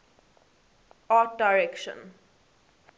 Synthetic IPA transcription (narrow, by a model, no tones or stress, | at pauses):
at̚daɪɹɛkʃə̰̃n